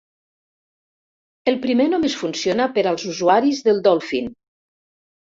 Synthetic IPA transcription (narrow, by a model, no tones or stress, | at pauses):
elˠpɾimenomesfunsionapəɾalˠzuzuaɾizðəlˠd̪ɔlˠfḭn